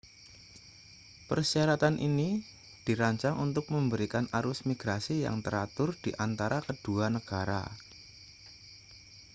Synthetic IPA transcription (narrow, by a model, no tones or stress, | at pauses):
pərsiaɾat̪anʔḭni | d̥i̤ɾaɲt͡ʃaŋʔunt̪ʊk̚məmbəɾikanʔaɾʊsmiɡ̥ɾasija̰ŋt̪əɾat̪ʊrd̥iʔant̪aɾakəd̥uanəɡ̥aɾa̰